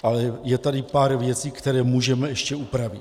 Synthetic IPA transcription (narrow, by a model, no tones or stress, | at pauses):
ʔalɛjɛt̪adɪpaːɾvjɛt͡siːkt̪ɛɾɛːmuːʒɛmɛɛʃcɛupɾavɪt